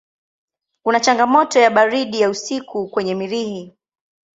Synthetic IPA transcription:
kunat͡ʃaŋɡamɔtɔjaɓaɾiɗijausikukwɛɲɛmiɾihi

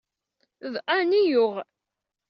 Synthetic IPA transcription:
ðqænijʊʁ

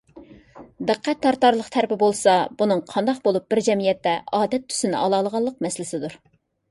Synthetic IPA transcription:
d̪æqʰːæt̪ʰːɑɾt̪ːɑɾlˠəχt̪ʰæɾɪpɪbolˠsɑbunɨŋqʰɑnd̪ɑqbolˠup̚b̥ɪɾd͡ʒɛmijɛt̪ːɛʔɑːd̪ɛt̪ʰːy̥zɪnɪ̰ʔɑlˠɑːlˠəʁɑlˠəq̚mɛslɪsɪd̪uɾ

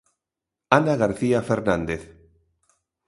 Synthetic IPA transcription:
anaɣaɾθiafeɾnand̪eθ

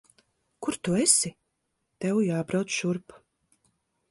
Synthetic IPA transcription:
kuɾt̪uɛsi | t̪ɛwjaːpɾawt̪sʃuɾp

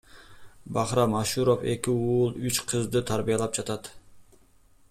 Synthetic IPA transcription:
bɑχɾɑmɑʃuɾofekʲiulˠyt͡ʃqʰɨzd̪ɨt̪ʰɑɾbijɑlˠɑp̚d͡ʒɑt̪ʰɑt̪

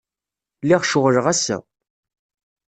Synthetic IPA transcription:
lɪʁʃʊʁɾəʁæsæ̰

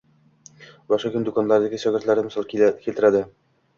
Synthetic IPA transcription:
bɒʃɑk̪ond̪ukanlˠɑɾd̪ɘ̆ɡɘɕæɡɘ̆ɾt̪læɾɘm̆sɑlkilt̪ɘ̆ɾæd̪ɘ

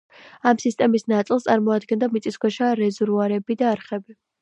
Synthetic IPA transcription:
amsist̪ʼɛmisnat̪sʼilˠst̪ʼaɾmɔad̪ɡɛnd̪amit̪sʼiskʰwɛʃaɾɛzuɾuaɾɛbid̪aːɾχɛbi

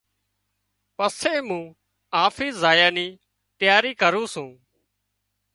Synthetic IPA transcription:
pəseːmũː | aːfiːzaːjaːniː | t̪ɪjaːɾiːkəɾũːsũː

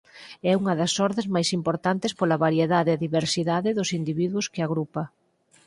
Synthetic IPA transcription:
ɛuŋɐðɐsɔɾðezmajsimpoɾt̪ant̪ɪspolɐβaɾjeðaðɪðiβeɾsiðaðɪðʊsind̪iβiðwʊskɪaɣɾupɐ

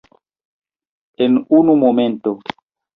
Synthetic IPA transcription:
enunumomento

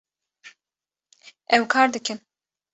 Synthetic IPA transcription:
ɛwkʰɑːɾd̪ɨkɨn

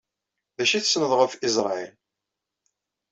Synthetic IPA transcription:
ðæʃiθsnəðˤʁəfizˤɾˤɑḭl

